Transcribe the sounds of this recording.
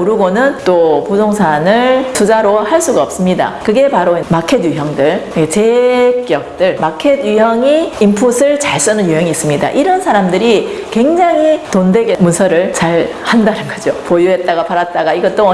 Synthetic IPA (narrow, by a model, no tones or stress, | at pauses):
uɾuɡonɯnt͈opusʰoŋsʰanɯɭtʰud͡ʑaɾohaɭs͈uɡaʌp̚s͈ɯmɲida̰kɯɡe̞paɾomakʰe̞djuɦjʌŋdɯɭet͡ɕe̞k͈jʌk̚t͈ɯɭmakʰe̞dujʌŋiimpʰusʰɯɭt͡ɕaɭs͈ɯnɯnjuɦjʌŋiːs͈ɯmɲida̰ʔiɾʌnsʰaɾamdɯɾi | kwe̞ŋd͡ʑaŋitondwe̞ɡemunsʰʌɾɯɭt͡ɕaɭ | handanɯnɡʌd͡ʑopojuɦe̞t̚t͈aɡapʰaɾat̚t͈aɡaiɡʌt͈oʌ